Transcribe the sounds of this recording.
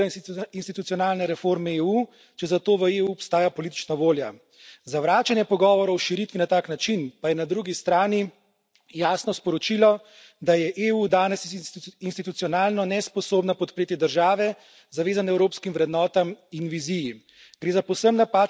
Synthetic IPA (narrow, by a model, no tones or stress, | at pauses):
inst̪it̪ut̪iɔnaːlnɛɾɛfoɾmɛeːuː | t͡ʃɛzat̪oːʋəeːuɔpst̪aːjapɔliːt̪i̥t͡ʃnaʋoːlja | zawʋɾaːt͡ʃanjɛpɔɡɔːʋɔɾɔwʃiɾit̪ʋinat̪aːknat͡ʃinpajɛnad̪ɾuɡist̪ɾaːni | jaːsnɔspɔɾɔt͡ʃilɔ | d̪ajɛʔeːud̪aːnɛsinst̪it̪ut̪sijɔnaːlnɔnɛspɔsoːbnapɔt̪pɾeːt̪id̪əɾʒaːʋɛ | zaʋeːzanɛwɾoːpskimʋɾɛd̪nɔːt̪aminʋiziji | ɡ̥ɾeːzapɔwsəmnapa